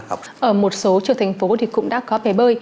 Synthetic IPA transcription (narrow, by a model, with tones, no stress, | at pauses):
ʔəː˧˩mo˨˩t̚so˨˦t͡ɕə˧˩t̪ʰjŋ̟fo˨˦t̪ʰi˨˩kʊ̰˧˥ŋ͡mɗa̰ː˧˥kɔ˨˦ɓe˧˩ɓəː˧˩j